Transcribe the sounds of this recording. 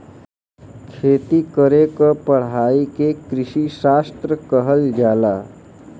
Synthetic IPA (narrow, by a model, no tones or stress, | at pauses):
kʰeːt̪ikəɾekəpəɽ̤aːikekɾɪʃiʃaːst̪ɾəkəɦəld͡ʒaːlaː